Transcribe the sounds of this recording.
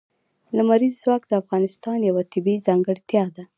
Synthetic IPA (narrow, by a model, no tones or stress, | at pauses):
lamaɾizːwɑkd̪əafɣɑnɪst̪ɑnjawat̪ɪbizɑŋɡəɽt̪jɑd̪a